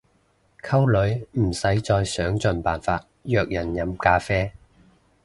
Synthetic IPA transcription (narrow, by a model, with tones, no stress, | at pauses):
kʰɐ˥wlɵ˨˧˥ɥm̩˨˩sɐ˨˥jt͡sɔː˧jsœː˨˥ŋt͡sɵ˨˧npaː˨nfaː˧t̚jœː˧k̚jɐ˨˩njɐ˨˧mkaː˨˥fɛː˥